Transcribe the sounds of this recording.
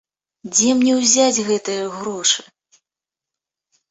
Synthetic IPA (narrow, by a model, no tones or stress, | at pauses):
d͡zʲɛmnʲɛwzʲad͡zʲɣɛt̪ɨjɐɣɾɔʂɨ̥